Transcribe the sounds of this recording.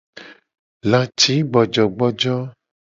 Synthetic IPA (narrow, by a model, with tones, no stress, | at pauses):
lã˨t͡ʃi˨˦ɡ͡bɔ˨d͡ʒɔ˨ɡ͡bɔ˦d͡ʒɔ˦